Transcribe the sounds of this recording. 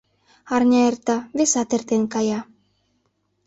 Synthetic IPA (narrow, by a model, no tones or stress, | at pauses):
ɑrnʲɑert̪ɑβesɑt̪ert̪enkɑjɑ